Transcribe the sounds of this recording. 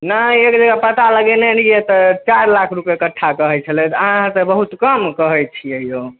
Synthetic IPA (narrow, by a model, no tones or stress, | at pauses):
naekd͡ʒəɡapət̪aləɡɛnɛniet̪ɔt͡ʃaɾlakʰɾupjekəʈʰːakəɦɛt͡ʃʰəlɛt̪əɦãɦãsəbəɦut̪kəmkəɦɛt͡ʃʰiəɦijo